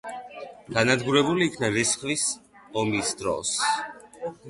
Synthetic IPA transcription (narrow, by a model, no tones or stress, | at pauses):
ɡ̥anad̪ɡuɾɛbuliːkʰnaɾisχlisɔmisd̪ɾɔ̰s